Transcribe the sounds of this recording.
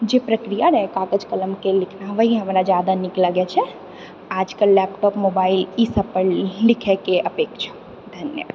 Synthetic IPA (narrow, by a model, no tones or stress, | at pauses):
d͡ʒepɾəkɾijaɾəɦɛkakəd͡ʒkələmkelikʰnaʋəiɦəmɾad͡ʒjad̪anikləɡɛt͡ʃʰɛ | ad͡ʒkəɾlɛpʈɔpmobailisəb̚pəɾlikʰɛkeʔəpekt͡ʃʰḁ | d̪ʱənjə̰